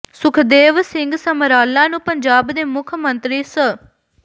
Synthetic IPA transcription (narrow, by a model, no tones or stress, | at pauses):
sʊkʰd̪eːʋsɪŋɡsəməɾaːlːãːnũːpəɲd͡ʒaːbd̪eːmʊkʰmə̃nt̪ɾiːsə